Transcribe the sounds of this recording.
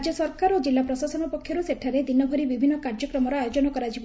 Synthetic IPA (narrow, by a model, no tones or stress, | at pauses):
d͡ʒɔsɔɾkaɾod͡ʒilːapɾɔsasɔnupɔkʰjɔɾuseʈʰaɾed̪inɔbʱɔɾibibʱinːɔkaɾd͡ʒɔkɾɔmɔɾɔajod͡ʒɔnɔkɔɾad͡ʒʰibɔ